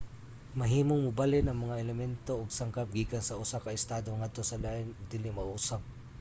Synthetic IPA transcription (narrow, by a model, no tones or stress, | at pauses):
mɐɦiːmoŋmʊbalɪnɐŋmɐŋaʔɛlɛmɛnt̪oːɡsaŋkap̚ɡiːkansɐʔʊsakɐɪst̪aːd̪oŋad̪̚t̪osɐlaːʔɪnʊɡ̚d̪ɪlɪmaʔusaŋ̚